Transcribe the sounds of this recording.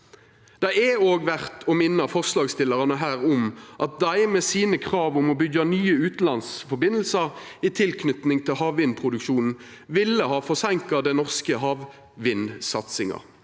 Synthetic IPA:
d̪̥ɛɛoːɡʋæʁt̪ʰɔːmɪnːəfɔʁslɑːɡst̪ɪləʁɑnəɦæːʁʊmʔɑt̪̚d̪æɪmɛsiːnəkʰʁɑːʋʊmɔbʏɡɑnyːəʉːt̪n̩ɑnsfɔbɪnəl̩səʁ | it̪ʰɪlkʰnʏt̪nɪŋt̪ʰɪlhɑːʋʋɪnpʰʁʊd̪ʉkʃuːnn̩ | ʋɪlːəhɑːfɔʁsæŋkɑd̪ɛnɔʁskəɦɑːʋ | ʋɪnsɑt̪sɪŋɑ̰

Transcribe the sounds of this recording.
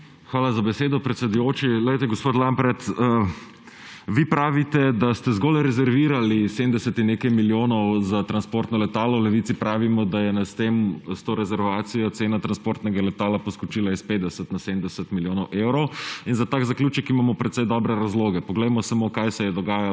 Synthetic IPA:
xʋaːlazabɛseːd̪ɔpɾɛt̪sɛd̪ujoːt͡ʃilɛjt̪ɛɡospoːt̪lambɾɛt̪ː | ʋipɾaːʋit̪ɛd̪ast̪ɛzɡolɾɛzɛɾʋiːɾalisemd̪ɛsɛt̪inːekajmiljoːnɔwzat̪ɾanspoːɾt̪nɔlɛt̪aːlɔlɛʋit̪ipɾaːʋimɔd̪ajɛnast̪emst̪oːɾɛzɛɾʋaːt̪sijɔt̪seːnat̪ɾanspoːɾt̪nɛɡalɛt̪aːlapɔskɔt͡ʃilaispeːd̪d̪ɛsət̪naseːmd̪ɛsət̪miljoːnɔwʔewɾɔwinzat̪akzakljuːt͡ʃɛkimaːmɔpɾɛt̪sɛjd̪ɔbɾɛɾazloːɡɛpɔɡlɛjmɔsamokajsɛjɛd̪ɔɡaːja

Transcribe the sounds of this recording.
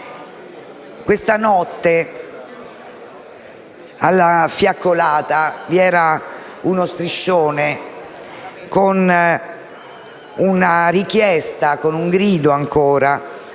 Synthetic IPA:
kwest̪anɔt̪ːe | alːafjakːolaːt̪aviɛːɾa | unost̪ɾiʃːoːne | kon | unaɾik̟jɛst̪akonuŋɡɾiːd̪oaŋkoːɾa

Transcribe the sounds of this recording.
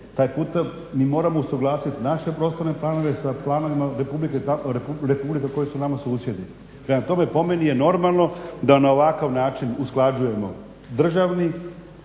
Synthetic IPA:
t̪aːjpuːt̪a | miːmo̞ːɾamousuɡlˠaːsit̪naʃe̞pɾoːst̪o̞ɾne̞plˠaːno̞ʋe̞saplˠaːno̞ʋimaɾe̞publiket̪aɾeuɾepublikako̞jisunamasuːsje̞d̪i | pɾemat̪o̞me̞po̞me̞nije̞no̞ɾmalˠno̞d̪anao̞ʋakaʋnaːt͡ʃinusklˠad͡ʒuje̞mo̞̰ | d̪r̩ʒaʋni

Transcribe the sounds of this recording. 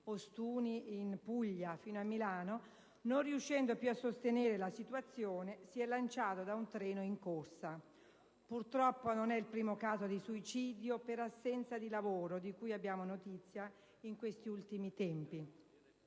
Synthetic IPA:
ost̪uːniinpuʎːafiːnoamːilaːno | nonriuʃːɛnd̪opjuasːost̪eneːɾelasit̪uat̪sːjoːnesiɛlːant͡ʃaːt̪od̪aunt̪ɾɛːnoiŋkorsa | purt̪ɾɔpːononɛilpɾiːmokaːzod̪isuit͡ʃiːd̪jopeɾasːɛnt̪sad̪ilavoːɾod̪ikujabːjaːmonot̪it̪sːja | iŋkwest̪iult̪imit̪ɛmpi

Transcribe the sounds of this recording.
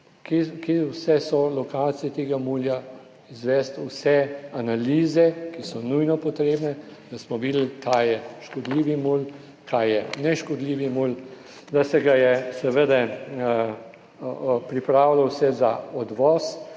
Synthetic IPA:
kikiwsɛsɔlɔkaːt̪sijɛt̪eːɡamuːlja | izʋɛst̪wsɛanaliːzɛkisɔnujnɔpɔt̪ɾeːbnɛd̪̥asmɔʋid̪lkʰajjɛʃkɔd̪liːʋimul | kʰaːjjɛnɛʃkɔd̪liːʋimul | d̪asɛɡajɛsɛʋəd̪ɛ | pɾipɾaːwlawsɛzaɔd̪ʋɔːs

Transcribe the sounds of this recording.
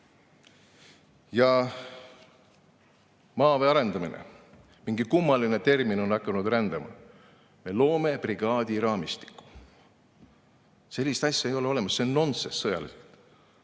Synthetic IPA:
jɑ | mɑːveɑɾe̞nd̪ɑmḭnḛ | miŋɡikumːɑline̞t̪e̞rmino̞nːɑkːˑɑnud̪rænd̪̥ɑmɑ̰ | me̞lo̞ːme̞priɡ̥ɑːd̪̥ʲiɾɑːmist̪i̥kːˑu̥ | se̞lʲːist̪ɑsʲjɑejo̞le̞o̞le̞mɑsːenːo̞nsesːɤjɑ̰lḭselt̪

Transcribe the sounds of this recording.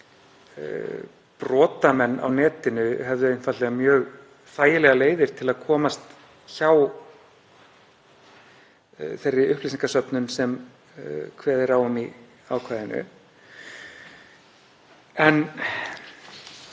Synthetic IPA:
pɾɔːt̪amɛnːʔa̰wnɛːt̪ɪnʏɦɛvðʏejnfat̪lɛɣamjœːɣ | θaːjɪlɛɣaleːjðɪɾ̥t̪ʰɪlaðkʰɔːmast̪ | çaw | θejrːɪʏhplis̬iŋkasœpnʏnsɛm | kʰvɛːðɪɾawʏmi | awkʰvaːjðɪnʏ̰ | ɛn

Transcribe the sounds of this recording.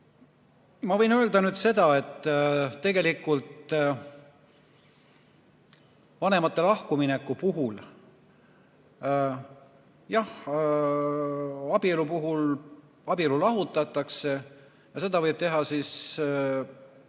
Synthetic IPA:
mɑvɤjnø̞ːld̪ɑnyːd̪̥se̞d̪̥ɑe̞t̪ːˑt̪e̞ɡ̥e̞likːˑult̪ | vɑne̞mɑt̪ˑːe̞lɑhkuminekːˑupuɦul | jɑh | ɑbielupuɦul | ɑbilulɑɦut̪ːˑɑt̪ːˑɑkse̞ | jɑse̞d̪̥ɑvɤjb̥̚t̪e̞ɦɑsis

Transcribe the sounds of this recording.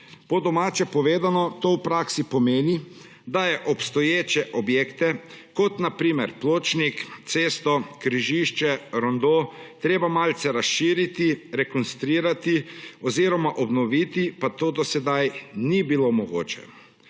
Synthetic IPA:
pɔd̪ɔmaːt͡ʃɛpɔʋeːd̪anɔt̪owpɾaːksipɔmeːni | d̪ajɛʔɔpst̪ɔjeːt͡ʃɛʔɔbjeːkt̪ɛkɔt̪napɾiːmɛɾploːt͡ʃnikt̪seːst̪ɔkɾiʒiʃt͡ʃɛɾɔnd̪ot̪ɾeːbamalt̪sɛɾasʃiːɾit̪iɾɛkɔnst̪ɾiːɾat̪iɔziɾɔmaʔɔbnɔʋit̪ipat̪oːd̪ɔsɛd̪ajnibilomɔɡo̰ːt͡ʃɛ̰

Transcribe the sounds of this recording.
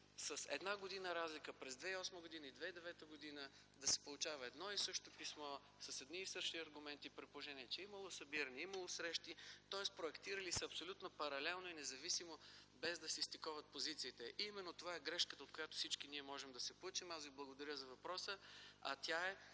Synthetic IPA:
səsɛ̰d̪naɡod̪inəɾazlikəpɾɛzd̪vɛiɔsməɡʊd̪inəid̪vɛid̪ɛvɛt̪əɡod̪inə | d̪ɐsɛ̥polˠʊt͡ʃavəɛd̪nɔisɤʃt̪opismɔ | sɐsɛd̪niːsɤʃiɐɾɡʊmɛnt̪ipɾɛpooʒɛnʲiɛt͡ʃɛimɐlˠosɐbiɾəniiməlˠosɾɛʃt̪it̪ɔɛspɾoɛkt̪iɾəlisəɐpsolʲut̪nopɐɾɐlɛlˠnoinɛzɐvisimobɛzd̪ɐsɛist̪ikɔvɐt̪̚pozit̪siːt̪ɛʔimɛnːot̪ovaɛɡɾɛʃkət̪əot̪̚kojat̪o̥sit͡ʃkiniɛmɔʒɛmd̪ɐsɛplˠət͡ʃimazviblˠɐɡod̪ɐɾʲjəzɐvɐpɾɔsəɐ̰t̪ʲjaɛ

